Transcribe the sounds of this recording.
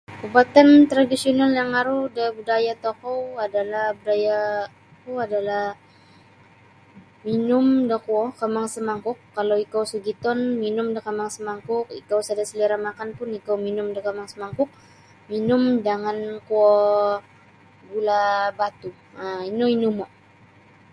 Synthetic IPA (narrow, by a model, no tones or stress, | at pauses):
pubat̪ant̪ɾadisionaljaŋaɾudəbudajat̪okɔwadalahbudaja | kuadalah | minʊmdəkuɔkamaŋsəmaŋkʊkːalawikawsuɡit̪ɔnminʊmdəkamaŋsəmaŋkʊk̚ḭkawsadasəliɾamakanpʊnikowminʊmdəkamaŋsəmaŋkʊk̚ | minʊmdaŋankuɔ | ɡulabat̪u | ainoinumɔʔ